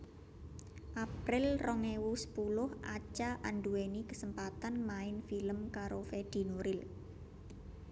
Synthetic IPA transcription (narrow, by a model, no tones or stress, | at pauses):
ʔapɾɪlrɔŋewusə̥pulʊhʔat͡ʃaʔanɖuenikəsəmpat̪anmaɪnfiləmkaɾofed̪̥i̤nuɾɪl